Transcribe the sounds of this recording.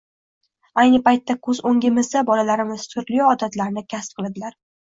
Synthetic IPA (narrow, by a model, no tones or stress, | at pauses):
ajnɪpajt̪ʰːakʰɵzoŋʲɪmɪzd̪abɒlalaɾɪmɪz̥t̪ʰʊɾlijɒɒd̪at̪laɾnɪkʲʰasp̚qʰɨlˠad̪ɪlaɾ